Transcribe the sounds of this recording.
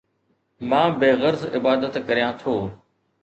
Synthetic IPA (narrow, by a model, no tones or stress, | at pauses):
mãːbeːɣəɾzɪbaːd̪ət̪kəɾijãːt̪ʰoː